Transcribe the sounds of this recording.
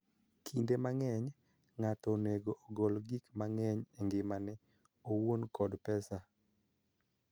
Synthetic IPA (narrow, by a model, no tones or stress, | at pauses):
kʰindemaŋɛɲ | ŋatɔneɡoʔoɡɔlɡikmaŋɛɲɛŋɡɪmanɛ | owonkɔdpɛsa